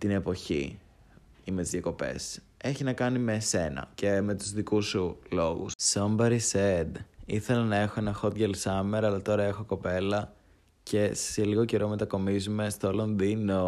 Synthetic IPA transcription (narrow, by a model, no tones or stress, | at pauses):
t̪ine̞po̞çḭ | imet̪izjɐko̞pe̞̰s | e̞çinɐkɐnimeːse̞nɐ̰ce̞me̞t̪uzðikusulo̞ɣṵssombɐɾised̪iθe̞lɐnɐe̞xo̞e̞nɐxo̞t̪ʝelsɐmeɾɐlɐt̪o̞ɾɐe̞xo̞ko̞pe̞lɐ | ce̞seliɣo̞ce̞ɾo̞me̞t̪ɐko̞mizume̞st̪olonðino̞